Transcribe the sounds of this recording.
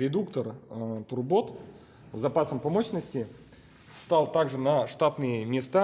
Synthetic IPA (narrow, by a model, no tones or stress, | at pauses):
ɾʲɪd̪ukt̪ərt̪ʊrbo̞t̪ | zɐpasəmpɐmoɕnəsʲtʲɪ | st̪alˠt̪aɡʐɨnɐʂt̪at̪nɨjəmʲɪst̪a